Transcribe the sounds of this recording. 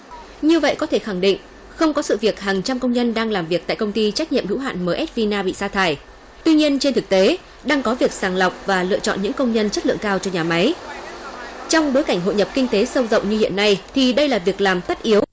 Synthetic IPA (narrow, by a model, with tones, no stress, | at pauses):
ɲɨ˧və̰˧˨jkɔ˨˦t̪ʰe˧˩xa˧˩ŋɗḭ˧˨ŋ̟ | xə˧wŋ͡mkɔ˨˦sɨ̰˧˨vi˨˩ək̚haː˨˩ŋt͡ɕa˧mkə˧wŋ͡mɲə˧nɗaː˧ŋlaː˨˩mvi˨˩ək̚t̪a̰˧˨jkə˧wŋ͡mt̪i˧t͡ɕa˦˥k̟̚ɲḭ˧˨əmhɨ̰˧˥wɦa̰ː˧˨nməː˨˦ʔɛ˦˥t̚vi˧naː˧ɓḭ˧˨saː˧t̪ʰaː˧˩j | t̪wi˧ɲi˧ənt͡ɕe˧nt̪ʰɨ˨˩k̚t̪e˨˦ | ɗaː˧ŋkɔ˨˦vi˨˩ək̚saː˨˩ŋla˨˩wk͡p̚vaː˨˩lɨ̰˧˨ət͡ɕɔ̰˧˨nɲɨ̰˧˥ŋkə˧wŋ͡mɲə˧nt͡ɕə˦˥t̚lɨ̰˧˨əŋkaː˧wt͡ɕɔ˧ɲaː˨˩ma˨˦j | t͡ɕɔ˧wŋ͡mɓo˨˦jka˧˩jŋ̟ɦo̰˧˨jɲə˨˩p̚kï˧ŋ̟t̪e˨˦sə˧wzə̰˧˨wŋ͡mɲɨ˧hḭ˧˨ənːa˧jt̪ʰi˨˩ɗə˧jlaː˨˩vi˨˩ək̚laː˨˩mt̪ə˦˥t̚ʔi˨˦əw